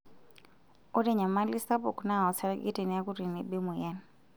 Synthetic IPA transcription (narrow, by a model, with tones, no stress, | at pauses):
o˦de˦˨ɲa˨ma˦li˦sta˦bṵ˨kna˦ɔ˨sa˦ɾɡḭ˦ti˨ni˨a˦ku˦ɾi˨ni˨bi˦mu˨jɛ˦n